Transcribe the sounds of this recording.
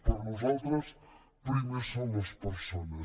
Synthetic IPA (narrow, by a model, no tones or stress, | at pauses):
poɾnosot̪ɾos | poznosomospeɾsona